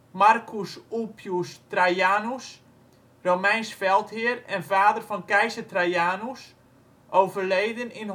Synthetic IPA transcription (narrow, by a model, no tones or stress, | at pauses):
markʰusulˠpʰjustrajaːnus | romɛjnsfɛlˠthɪəɾɛnvaːdərfɔnkɛjsətrajaːnus | ʔowvərlejdənɪn